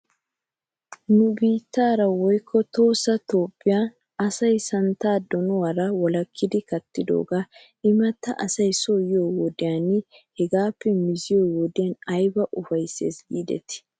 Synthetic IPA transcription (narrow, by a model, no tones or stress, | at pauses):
nʊbiːt̪ːaːɾɐwɔjkʰːɔt̪o̞ːsɐt̪o̞ːpʼːɪjaː | ɐsɐjsɐnt̪aːd̪ɔnɔwɐɾɐwɔlɐkʰːɪd̪ɪkɐt̪ːɪd̪o̰ːɡaː | ʔɪmɐt̪ːɐʔɐsɐjsojoːwɔd̪ɪjaːnɪhɛɡaːpːɛmɪzɪjoːwɔd̪ɪjɐnɐjbɐʔʊfɐjsḛːsɡiːd̪ɛ̰t̪ɪ̥